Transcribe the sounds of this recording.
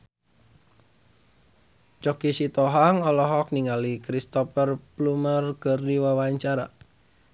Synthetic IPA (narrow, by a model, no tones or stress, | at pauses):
t͡ʃɔkisit̪ɔɦaŋɔlɔɦɔk̚niŋalikɾist̪ɔfərplumərɡ̥ərdiwawaɲt͡ʃaɾa̰